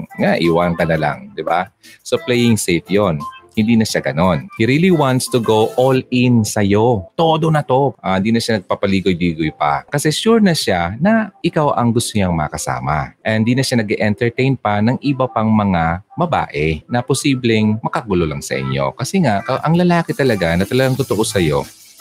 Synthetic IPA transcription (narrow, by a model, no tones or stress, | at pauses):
ŋaʔiwaŋkɐnɐla̰ŋd̪ɪba̰soplɛjɪŋset̪̚jonhɪnd̪iːnɐʃaɡɐno̞nhiɾiːliwant̪st̪uɡowʔolɪnsɐjo̞t̪o̞d̪onɐt̪o̞ʔahɪnd̪iːnɐʃanɐɡ̚papɐliːɡojliːɡojpɐ̰kɐsɛʃuɹnɐʃanɐʔɪkawʔɐŋɡʊst̪oɲaŋmɐɐkɐsa̰ːmɐ̰ʔɐnd̪iːnɐʃanɐɡɛʔɛnt̪ɛɹt̪ɛjnpɐnɐŋʔɪbɐpɐŋmɐŋabɐba̰ːʔɛnɐposiːblɛŋmɐkaɡʊlolɐŋsɐ̰ʔɪ̰ɲːo̞̰kɐsɛŋaʔkɐʔɐŋlɐlaːkɪt̪ɐlɐɡanɐt̪ɐlɐɡaŋt̪ʊt̪oʔo̞sɐjo̞̰